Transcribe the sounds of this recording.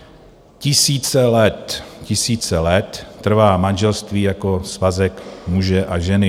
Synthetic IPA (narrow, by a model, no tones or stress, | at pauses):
cɪsiːt͡sɛlɛt̪cɪsiːt͡sɛlɛt̪ːr̩vaːmanʒɛlst̪viːjakosvazɛkmuʒɛʔaʒɛnɪ